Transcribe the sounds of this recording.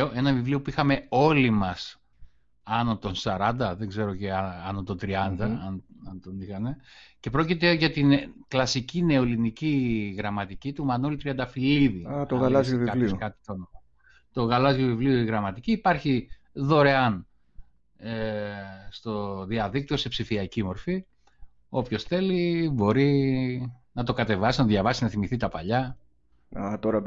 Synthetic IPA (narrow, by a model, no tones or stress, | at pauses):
oʔe̞nɐvivlio̞puixɐme̞o̞limɐs | ɐno̞t̪o̞nsɐɾɐnd̪ɐðeɡze̞ɾo̞ceɐɐnot̪ot̪ɾiɐnd̪ɐɐnɐnt̪o̞nixɐne̞ce̞pɾo̞cit̪e̞ʝɐt̪inklɐsicine̞oliniciɣɾɐmɐt̪icit̪umɐnolit̪ɾiɐnd̪ɐfiliðit̪oɣɐlɐzjvikɐlioskɐt̪i̥t̪onoɐ | t̪o̞ɣɐlɐzʝjovivlioiɣɾɐmɐt̪iciːpɐɾçiðo̞ɾe̞ɐn | e | st̪o̞ðiɐðik̚t̪io̞se̞psifiɐcimo̞ɾfi | o̞pço̞sθe̞libo̞ɾi | nɐt̪o̞kɐt̪e̞vɐsisnɐt̪oðʝɐvɐsinɐθimiθit̪ɐpɐʎɐ | ɐt̪oɾɐ